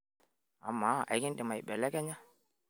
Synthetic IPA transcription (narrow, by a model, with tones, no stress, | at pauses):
a̰˨mːa˨˦˨a̰˨˦kɪ˦ndɪ˨ma˨i˨ɓɛ˨lɛ˦kɛ˦ɲa˦